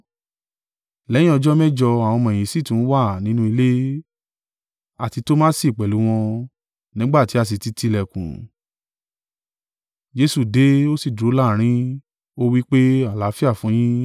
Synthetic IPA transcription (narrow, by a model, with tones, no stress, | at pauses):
lɛ˨˦jĩ˦ɔ˧d͡ʒɔ˦mɛ˦˨d͡ʒɔ˧a˨w̃ɔ̃˧mɔ̃˨j̃ĩ˨si˦˨tũ˨˦wa˦˨nĩ˨˦nũ˦i˧le˦ | a˨ti˧to˦mã˦si˦˨k͡pɛ˨lu˨˦w̃ɔ̃˧ | nĩ˦ɡ͡ba˦˨ti˨˦a˦˨s̬i˨˧ti˧ti˧˨lɛ˨kṵ̃˨ | d͡ʒe˧su˦˨de˨˦o˦si˦˨dɾo˨˦la˦˨ɾ̃ĩ˦ | o˦wi˦k͡pe˦a˦˨la˨˦fi˦a˦˨fũ˨˦j̃ĩ˦